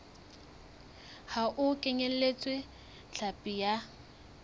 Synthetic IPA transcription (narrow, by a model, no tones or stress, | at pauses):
haʔʊkʼeɲel̩let͡sʼwe | ɬʰapʼija